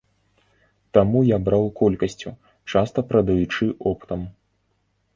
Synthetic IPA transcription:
t̪amujabɾawkɔlʲkɐsʲt͡sʲṵ | t͡ʂast̪ɐpɾɐd̪ɐjut͡ʂɨʔɔpt̪ɐm

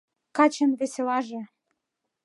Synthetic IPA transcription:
kɑt͡ɕə̆nβeselɑʒĕ

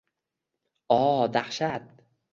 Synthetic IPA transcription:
ɒd̪aχʃat̪̚

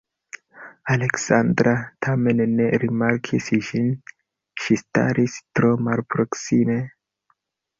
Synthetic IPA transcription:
ale̞ksandɾatʰame̞nne̞ɾimaɾkʰisʒin | ʃista̰ɾistɾo̞malpɾo̞ksime̞

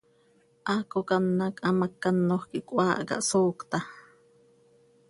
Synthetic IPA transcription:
ʔakokanːakʔamakːanːohkiʔkʷwaːʔka̰ʔsoːkt̪a

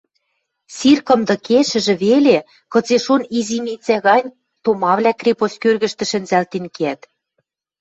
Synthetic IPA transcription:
sirkɤ̆md̪ɤ̆keʃɘ̆ʒɘ̆βele | kɤ̆t͡seʃonizimit͡sæɣɑnʲ | t̪omɑβlʲækrʲeposkørɣɘ̆ʃt̪ɘ̆ʃɘ̆nzælt̪inkeæt̪

